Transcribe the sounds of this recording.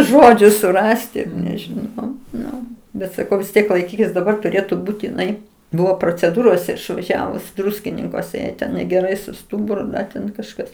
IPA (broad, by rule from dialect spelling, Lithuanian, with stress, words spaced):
ˈʒoːd͡ʒʲʊ sʊˈrɑːsʲtʲɪ nʲɛʒʲɪˈnɐʊ ˈnʊ ˈbʲɛt sɐˈkɐʊ ʋʲɪs ˈtʲiɛk lˠɐɪˈkʲiːkʲɪs dɐˈbɐr tʊˈrʲeːtʊ ˈbuːt ɪˈnɐɪ ˈbʊʋoː proːt͡sʲɛˈduːroːsʲɛ ɪʃʋɐˈʒʲæːʋʊs ˈdrʊsʲkʲɪnʲɪŋkuɔsʲɛ ˈjɛɪ tʲɛn nʲɛɡʲɛˈrɐɪ sʊ ˈstʊbʊrʊ ˈtʲɛn kɐʃˈkɐs